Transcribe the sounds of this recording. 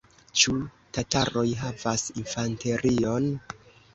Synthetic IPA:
t͡ʃu | tataɾo̞jɦavasinfante̞ɾʔio̞n

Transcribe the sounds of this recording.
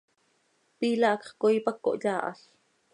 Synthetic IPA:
piːlɑʔkχkoipakːo̰ʔʎɑːʔɑ̰ɬ

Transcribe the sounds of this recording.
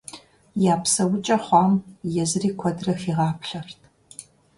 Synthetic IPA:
jaːpsɐwʊt͡ʃʼɐχʷɑːmjɛzɨriːkʷʰɔdrɐxiːʁɑːpʰɬɐrtʰ

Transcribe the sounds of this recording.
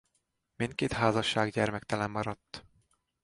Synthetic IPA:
mint̪̚keːt̪ɦaːzɒʃːaːɡɟɛrmɛkt̪ɛlɛmːɒɾɒt̪ː

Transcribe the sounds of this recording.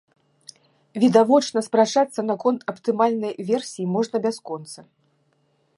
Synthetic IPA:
vʲid̪avɔt͡ʂnɐspɾat͡ʂat̪sːɐnakɔnt̪ʰɐpt̪ɨmalʲnɐjvʲɛrsʲijimɔʐnɐbʲaskɔnt̪sɐ

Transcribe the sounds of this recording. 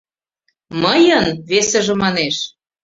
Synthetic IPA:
məjənβesə̆ʒĕmɑneʃ

